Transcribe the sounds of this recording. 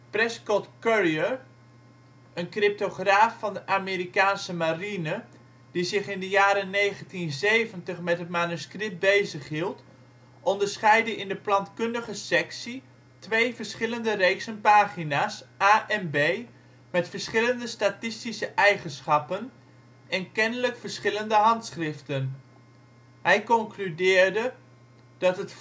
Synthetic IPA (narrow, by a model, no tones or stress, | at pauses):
prɛskɔtkøɹiəɹ | ənkrɪp̚toχraːfːɑndəʔaːmeːɾikaːnsəmarinə | d̥izɪχɪndəjaːɾənejχəntinzejvəntəχmɛtɦətmanyskrɪp̚bejzəχɦilˠt | ʔɔndəɹsχɛjdəʔɪndəplɑntkɵndəχəsɛksi | tʋejvəɹsχɪləndərejksənpaːχinaːsaːʔɛnbej | mɛtfəɹsχɪləndəstatɪstisəʔɛjχənsχɑpən | ɛnkɛnələkfəɹsχɪləndəɦɑntsχrɪftən | ɦɛjkɔŋklydɪːɹdə | d̥ɑtɦət